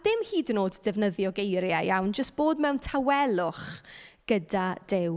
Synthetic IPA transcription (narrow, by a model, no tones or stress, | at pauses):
adɪmhiːdnoːddɛvnəðjɔɡejɾjajawnd͡ʒəst̚b̥oːdmɛwntʰawɛlˠʊχɡ̥ədad̥ɪw